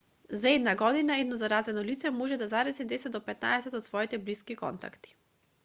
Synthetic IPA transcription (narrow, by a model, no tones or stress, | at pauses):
zaɛd̪naɡɔd̪inaɛd̪nɔzaɾazɛnɔlit̪sɛmɔʒɛd̪azaɾɛsɛd̪ɛsɛt̪d̪ɔpɛt̪na̰ɛsɛt̪ɔt̪svɔit̪ɛbliskikɔ̰nt̪a̰kt̪i̥